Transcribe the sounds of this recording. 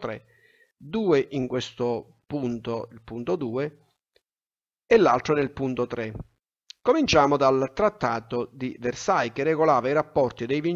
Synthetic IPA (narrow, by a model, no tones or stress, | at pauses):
t̪ɾḛ | d̪uːeʔiŋkwest̪o | punt̪oilpunt̪od̪uːe | elːalt̪ɾonelpunt̪ot̪ɾe | komint͡ʃaːmod̪alt̪ɾat̪ːaːt̪od̪iversajkerːeɡolaːvaiɾapːɔrt̪id̪ejvin